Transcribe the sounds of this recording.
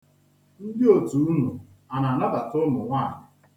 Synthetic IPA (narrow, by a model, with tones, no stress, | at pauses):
n̩˦dɪ˦o˨tu˨u˦nu˨ | a˨na˨na˦da˨tʊ˦mʊ˨ŋʷaː˦˨nɪ˨